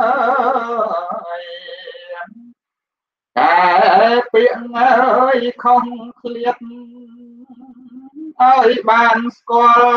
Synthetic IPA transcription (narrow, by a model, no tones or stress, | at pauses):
ə | j | kapiəʔŋəjkʰoŋkʰliət̪̚ | ʔaəjɓaːnskŏəl